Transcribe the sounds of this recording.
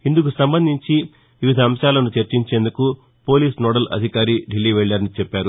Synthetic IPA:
ind̪uk̬usɐmbɐnd̪ʱiɲt͡ʃi | ʋiʋid̪ʱɐɐmʃaːlɐnut͡ʃeɾt͡ʃiɲt͡ʃe̞ːnd̪uku | po̞ːliːsnɔːɽɐlʔɐ̰d̪ʱikaːɾiɖilːiːʋɛɭːɐɾnit͡ʃɛpːaːɾu

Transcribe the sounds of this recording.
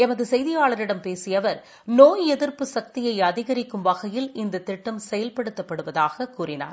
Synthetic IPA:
ɛmɐðɯsɛjðɪjaːɭɐɾɪɽɐmpeːsɪjɐʋɐɾ | noːjɛðɪɾpɯsɐk̚t̪ɪjɐɪɐðɪɣɐɾɪkːɯmʋɐɣɐjɪlɪnd̪ɐt̪ːɪʈːɐmsɛjɐlpɐɽɯt̪ːɐpːɐɽɯʋɐðaːɣɐkuːrɪna̰ːɾ

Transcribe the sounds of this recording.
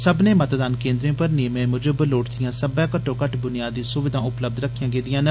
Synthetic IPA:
səbneːmət̪d̪aːnkẽːnd̪ɾẽõːpəɾneːmɛ̃ːmʊd͡ʒobəloːʈd̪ijãːsəbãːkəʈːõːkəʈbʊnɪjaːd̪iːsʊʋɪd̪ʱãːʊpləb̚d̪ɾəkʰːijãːɡeːd̪ɪjãːn

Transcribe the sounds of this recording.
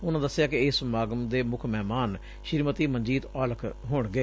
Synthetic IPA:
ʊnãːd̪əsːɪjaːkɪɪsmaːɡəmd̪eːmʊkʰmɛːmaːn | ʃɪɾmət̪iːmənd͡ʒiːt̪aːləkʰɦoːɳɡeː

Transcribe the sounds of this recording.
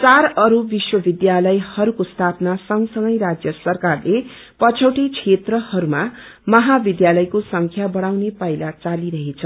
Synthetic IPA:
t͡saɾʌɾubiswʌbid̪jalʌjhʌɾukost̪ʰapnasʌŋsʌŋɡʌjɾad͡zjʌsʌrkarle | pʌt͡sʰʌwʈit͡sʰet̪rʌhʌɾuma | mʌɦabid̪jalʌjkosʌŋkʰjabʌɽ̃awnepʌjlat͡saliɾʌɦet͡sʰʌ

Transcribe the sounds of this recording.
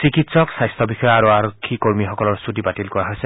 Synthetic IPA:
sikitsɔksajstʰɔbixɔjɔaɹuaɹokʰːikoɹmixɔkɔlɔɹsutibatilkɔɹaɦojsɛ

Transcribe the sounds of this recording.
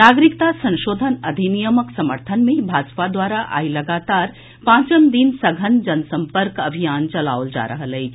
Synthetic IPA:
naɡɾikt̪asə̃nʃoːd̪ʱənɐd̪ʱinijəməksəməɾt̪ʰənmẽbʱad͡ʒpad̪waːɾaʔa̰iləɡat̪aːɾ | pãːt͡ʃəmd̪insəɡʱənd͡ʒənsəmpəɾkəbʱijaːnt͡ʃəla̰wld͡ʒa̰ɾəɦələjt͡ʃʰ

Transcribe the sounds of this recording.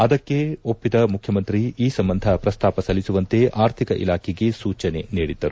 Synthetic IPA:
ɐd̪ɐkːe̞opːid̪ɐmukʰjɐmɐnt̪ɾiiːsɐmbɐnd̪ʱɐpɾɐst̪aːpɐsɐlisuʋɐnt̪e̞ʔaːɾt̪ʰikɐʔḭlaːkʰɛɡesuːt͡ʃɐne̞niːɽid̪ːɐɾu

